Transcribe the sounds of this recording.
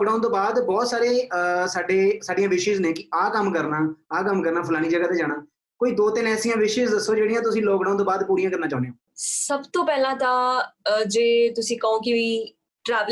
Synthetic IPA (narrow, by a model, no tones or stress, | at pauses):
kɖaːʊ̃nt̪oːbaːd̪bɔːt̪saːɾeːsaːɖeːsaːɖijãːʋɪʃɪzneːkɪaːkəmkəɾnaːaːkəmkəɾnaːpʰəlaːɽ̃iːd͡ʒəɡaːt̪eːd͡ʒaːɽ̃aː | koːiːd̪oːt̪ɪnɛːsĩːãːʋɪʃɪzd̪əsːoːd͡ʒeːɽijãːt̪̬ʊsĩːlɔːkɖaːunt̪oːbaːd̪puːɾijãkəɾnaːt͡ʃaːʊneːoː | səbt̪õːpɛːlãːt̪ãːd͡ʒeːt̪ʊsĩːkəõːkɪiː | ʈɾɛːʋ